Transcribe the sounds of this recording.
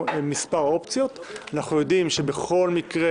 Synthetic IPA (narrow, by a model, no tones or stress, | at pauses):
mispaʁo̞pt͡sjo̞t̪anaχujo̞dimʃe̞be̞χo̞lmikʁe